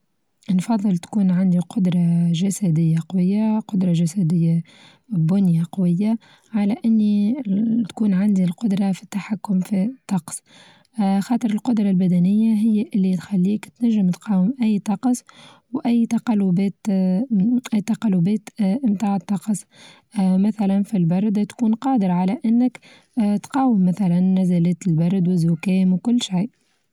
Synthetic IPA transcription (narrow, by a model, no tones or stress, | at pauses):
nfɑðˤːɨlt̪kuːnʕand̪iqʊd̪ɾˤɑʒasæd̪ɪjːaqɑwɪjːaqʊd̪ɾˤɑʒasæd̪ɪjːa | bʊnjaqɑwɪjːa | ʕalæʔɪnːit̪kuːnʕand̪ilqʊd̪ɾˤɑfi̥t̪ːaħakːʊmfit̪ˤːɑqs | xɑːt̪ˤəɾəlqʊd̪ɾˤɑlbæd̪ænɪjːaɦɪjːaʔɪlːit̪xalːiːkt̪næʒːɪmt̪qɑːwɪmʔæjːt̪ˤɑqsˤ | wʔæjːt̪ɑqɑlːʊbɛːt̪ | ʔæjːt̪ɑqɑlːʊbɛːt̪ʔɪmt̪aːʕt̪ˤːɑqsˤ | mæθælænfilbɑɾˤd̪t̪kuːnqɑːd̪əɾʕalæʔɪnːɪk | t̪qɑːwɪmːæθælænːæzælɛːt̪ɪlbɑɾˤd̪wɪzːʊkɛːmwkʊlːʃijʔ